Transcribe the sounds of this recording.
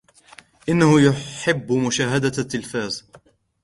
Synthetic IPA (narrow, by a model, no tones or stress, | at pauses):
ʔɪnːahʊjʊħɪbːmʊʃaːɦad̪at̪ːɪlfaːz